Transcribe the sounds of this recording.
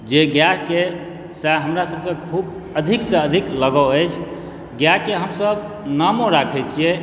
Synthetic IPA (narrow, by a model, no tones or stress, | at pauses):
d͡ʒeɡjake | saɦəmɾasəb̚kekʰub | əd̪ʱiksẽəd̪ʱikləɡəəjt͡ʃʰ | ɡjakeɦəmsəb | namoɾakʰɛt͡ʃʰije